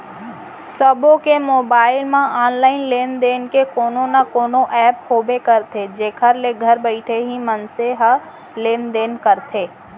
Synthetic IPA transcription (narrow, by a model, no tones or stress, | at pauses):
səbõkemoːbaːɪlmãaːnlaːɪnleːnd̪eːnkekoːnonakoːnoʔɛːphoːbekəɾt̪ʰed͡ʒeːkʰəɾleɡʱəɾbəɪʈʰeɦimənseɦə | leːnd̪eːnkəɾt̪ʰeː